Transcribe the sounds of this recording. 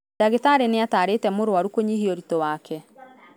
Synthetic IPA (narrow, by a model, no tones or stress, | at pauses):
aɣetaːɾenɪataːɾetɛmoɾoaɾukoɲiɦioɾitowaːkʰɛ